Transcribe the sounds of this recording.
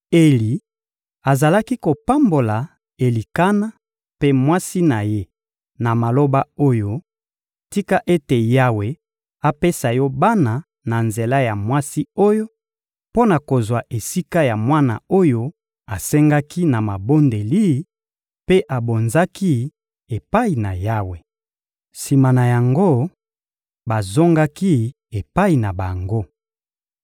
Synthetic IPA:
e˨li˨ | a˨za˨la˦ki˦ko˨pa˦mbo˨la˨ | e˨li˨ka˦na˦ | pe˦mwa˦si˦na˨je˦ | na˨ma˨lo˦ba˦o˦jo˦ | ti˦ka˦ʔe˦te˨ja˦we˨ | a˨pe˦sa˨jɔ˦ba˦na˨ | na˨nze˨la˦ja˨mwa˦si˦o˦jo˦ | po˦na˨ko˨zwa˨ʔe˨si˦ka˦ja˨mwa˦na̰˨o˦jo˦ | a˨sɛ˦ŋɡa˦ki˦na˨ma˨bo˦nde˨li˦ | pe˦ʔa˨bo˨nza˦ki˦ | e˨pa˦i˨na˨ja˦we˨ | si˨ma˨na˨ja˨ŋɡo˦ | ba˨zo˦ŋɡa˦ki˦ | e˨pa˦i˨na˨ba˨ŋɡo˦

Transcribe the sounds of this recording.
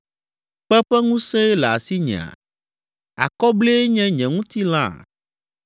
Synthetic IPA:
k͡pɛ˦ɸɛ˦ŋũ˦sɛ̃˦ɛ˦lɛ˨a̰˨si˦ɲɛ̰̃˨a̰˨ | a̰˨kɔ˦ble˦ɲɛ̃˦ɲɛ̃˨ŋũ˦t̪i˦lã̰˦˨

